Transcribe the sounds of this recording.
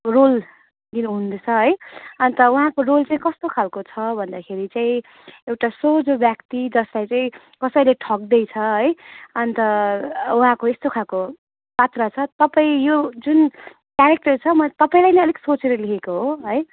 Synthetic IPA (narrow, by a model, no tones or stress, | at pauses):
rol | d̪inɦund̪et͡sʰʌɦʌjʌnt̪ʌwuɦãkorolt͡saĩkʌst̪okʰalkot͡sʰʌbʱʌnd̪akʰeɾit͡saĩ | ewʈasod͡zobjakt̪id͡zʌslajt͡saĩ | kʌsʌileʈʰʌk̚d̪ʌjt͡sʰʌɦʌjʌnit̪ʌuɦãkoest̪okʰalko | pat̪rʌt͡sʰʌt̪ʌpaĩjod͡zun | kjaɾek̚ʈʌrt͡sʰʌmʌt̪ʌpaĩlajnʌʌliksot͡seɾʌlikʰekoɦoɦʌj